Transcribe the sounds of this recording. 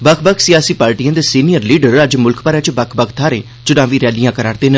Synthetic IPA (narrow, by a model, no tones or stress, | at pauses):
bəkʰbəkʰsɪjaːsiːpaːɾʈiːjãːd̪eːsiːnijəɾliːɖəɾəd͡ʒmʊlkʰpaːɾɛ̃ːt͡ʃbəkʰbəkʰt̪ʰaːɾeː | t͡ʃʊnãːʋiːɾɛːlijãːkəɾaːɾt̪eːnə